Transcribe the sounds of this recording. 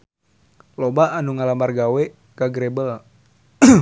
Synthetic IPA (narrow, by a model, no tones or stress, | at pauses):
lobaːnuŋalamarɡawɛ | kaɡɾebəl